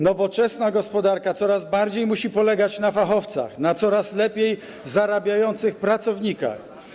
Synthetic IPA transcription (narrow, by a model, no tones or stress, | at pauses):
nɔvɔt͡ʂɛsnaɡɔspɔd̪aɾkat̪sɔɾazbaɾd͡ʑejmuɕipɔlɛɡat͡ɕnafaxɔft̪sa̰xnat̪sɔɾaslɛpʲjej | zaɾabʲjajɔnt̪sɘxpɾat̪sɔvɲika̰x